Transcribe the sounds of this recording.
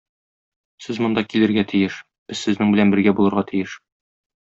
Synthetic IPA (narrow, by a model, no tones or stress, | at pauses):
sɘzmŏnd̪ɑkilɘ̆ɾɡæt̪ʰijɘʃ | b̥ɘzsɘ̆znɘŋbɘ̆lænbɘ̆ɾɡæbulˠɤ̆ɾʁɑt̪ʰijɘʃ